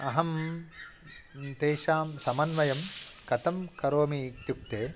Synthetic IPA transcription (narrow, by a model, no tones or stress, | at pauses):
ɐɦɐm | t̪eːʃaːmsɐmɐnʋɐjɐmkɐt̪ɐmkɐɾoːmit̪juk̚t̪eː